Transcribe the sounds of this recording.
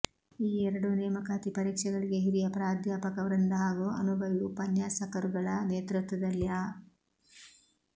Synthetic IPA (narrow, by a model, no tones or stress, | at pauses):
iːɛɾɐɽuneːmɐkaːt̪ipɐɾiːkʂɐɡɐɭiɡeɦiɾijɐpɾaːd̪ʱjaːpɐkɐʋɐɾɐnd̪ɐɦaːɡuʔɐ̰nubʱɐʋiupɐnjaːsɐkɐɾuɡɐɭɐneːt̪ɾut̪ʋɐd̪ɐljaː